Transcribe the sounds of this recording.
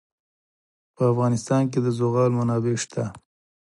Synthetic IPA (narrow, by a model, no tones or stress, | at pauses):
pəafɣɑnɪst̪ɑnk̬ed̪əzoɣɑlmanɑbeʃt̪ʰa